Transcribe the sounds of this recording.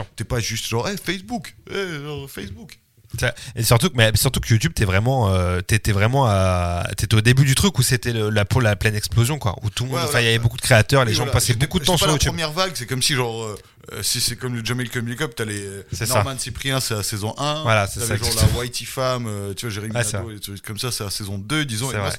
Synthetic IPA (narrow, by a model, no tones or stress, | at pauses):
t̪ɛpaʒyst̪ʒɑ̃ʁɛfɛsbukɛʒɑ̃ʁfɛsbuk | saesyʁt̪ukmɛsyʁt̪ukəjut̪yb̚t̪ɛvʁɛmɑ̃øt̪yet̪ɛvʁɛmɑ̃at̪yɛt̪ɛod̪ebyd̪yt̪χykuset̪ɛləlaplaplɛnɛksplozjɔ̃kwa̰ʔṵt̪ulmɔ̃d̪fɛ̃ilavɛbokud̪ə̥kχeat̪œʁleʒɑ̃passɛbokud̪t̪ɑ̃saʁjajutp̪yəbmjɛʁvaɡsɛkɔmsiʒɑ̃ʁø | ø̰sisɛkɔmləd͡ʒamilkɔmilkɔp̚t̪alɛsɛsnamansipχiɛ̃sɛlasɛzɔ̃ʔɛ̃vwalasɛsaʒɔ̃ʁlawajt̪ifamøt̪yvaʒeʁiwɛsɛslet̪χykːɔmsasɛlasezɔ̃d̪ød̪izɔ̃esɛvʁɛs